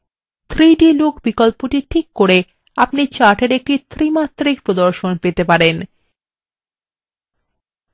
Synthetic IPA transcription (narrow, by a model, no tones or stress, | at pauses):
t̪ʰɾiɖilokbikolpoʈiʈʰikːoɾe | apnit͡ɕaʈeɾek̚ʈit̪ʰɾimat̪ːɾik̚pɾod̪oɾʃonpet̪epaɾen